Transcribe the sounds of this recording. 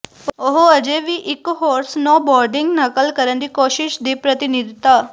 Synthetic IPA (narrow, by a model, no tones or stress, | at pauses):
oɦoəd͡ʒeːʋiːʔɪkɦoːɾsnɔ̃ːbɔːɾɖɪ̃ŋɡnəkəlkəɾənd̪iːkoːʃɪʃd̪iːpɾət̪ɪnid̪ɪt̪aː